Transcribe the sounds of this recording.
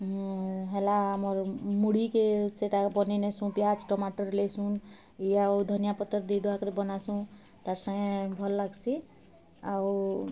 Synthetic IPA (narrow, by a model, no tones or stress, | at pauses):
ɦelaamɔɾmuɽikeseʈabɔninesũpjad͡ʒʈɔmaʈəɾlesun | iaud̪ʱənijapɔt̪ːəɾd̪id̪akɾebɔnasũ | t̪aɾsə̃ŋẽbʱɔlːaɡsi | aw